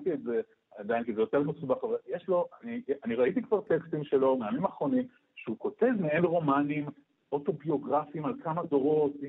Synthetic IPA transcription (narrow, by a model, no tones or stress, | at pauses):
t̪ietze | ad̪ainkizejo̞te̞ʁmesubaχavaljeʃlo̞ʔanianiʁaitikvaʁt̪ekst̪imʃelo̞meamimaːχʁo̞nim | ʃeuko̞te̞zmeenʁo̞manim | ʔo̞to̞bio̞ɡʁafimalkamado̞ʁo̞t̪